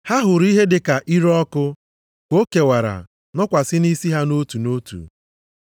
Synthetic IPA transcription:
ha˦ɦʊ˨ɾi˦ɦe˦dɪ˨ka˨ʔi˦ɾɔ˦kʊ˦ | kʷo˦ke˨wa˨ɾa̰˨ | nɔ˦kʷa˨sɪ˦ni˦si˦ɦa˦no˦tu˨no˦tṵ˨

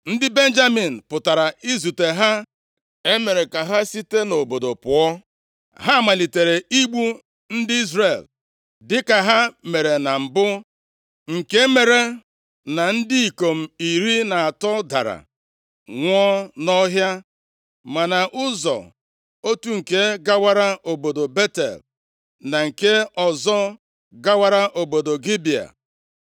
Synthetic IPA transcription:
n̩˦dɪ˦be˦n̩˦d͡ʒa˦mi˨n̩˨pʊ˨ta˨ɾa˨ʔi˦zu˨te˨ɦa˦ | e˦me˨ɾe˨ka˨ɦa˦si˦te˦no˨bo˨do˨pʊ˨ɔ˦ | ɦa˦˨ma˨li˨te˨ɾe˨i˦ɡ͡bu˦ | n̩˦dɪ˦i˦zɾe˨l | dɪ˦ka˨ɦa˦me˨ɾe˨na˨m̩˨bʊ˦ | ŋ̩˨ke˦me˨ɾe˨ | na˨n̩˦dɪ˦i˨ko˨m̩˨i˨ɾi˦na˨a˨tɔ˦da̰˨ɾa̰˨ | ŋʷɔ˦nɔ˦ɦja˦ | ma˨na˨ʔʊ˦zɔ̰˨ | o˦tu˦ŋ̩˨ke˦ɡa˦wa˦ɾa˦o˨bo˨do˨be˦tḛ˨l | na˨ŋ̩˨ke˦ɔ˨zɔ˦ | ɡa˦wa˦ɾa˦ʔo˨bo˨do˨ɡi˦bi˨a̰˨

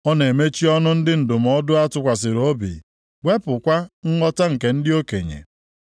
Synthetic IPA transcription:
ɔ˦ne˨me˦t͡ʃi˦ɔ˦nʊ˦n̩˦dɪ˦n̩˨dʊ˨m̩˨ɔ˦dʊ˦a˦tʊ˦kʷa˨s̬ɪ˨ɾo˦bḭ˨ | ɡʷe˦pʊ˨kʷa˦ŋ̩˦ŋɔ˦ta˦ŋ̩˨ke˨n̩˦dɪ˦o˦ke˨ɲḛ˨

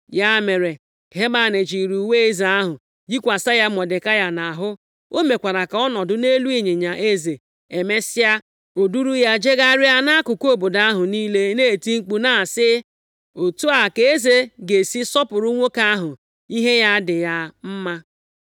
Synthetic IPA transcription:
ja˦˨me˨ɾe˨ | ɦe˦ma˨ne˨d͡ʒi˨ɾu˨we˦e˦za˨a˦ɦʊ˨ | d͡ʒi˦kʷa˨sa˦ja˦mɔ˨dɪ˨ka˦ja˦na˨ɦʊ˦ | o˦me˨kʷa˨ɾa˨ka˨ɔ˦nɔ˨dʊ˦ne˦lu˦i˨ɲe˨ɲa˨ʔe˦ze˨ | e˨me˦sɪ˦ja˦ | o˨du˦ɾu˦ja˦d͡ʒe˦ɡa˦ɾɪ˦a˦na˦kʊ˨ko˦˨bo˨da˦ɦʊ˨niː˦le˦ne˦˨ti˦ŋ͡m̩˦k͡pu˦na˨sɪ˦ | o˨tu˦a˨ke˨e˦ze˨ɡe˨si˦sɔ˦pʊ˨ɾʊ˦ŋʷo˦ka˦ɦʊ˨ | i˦ɦe˦ja˦dɪ˨ja˦m̩˦ma˦

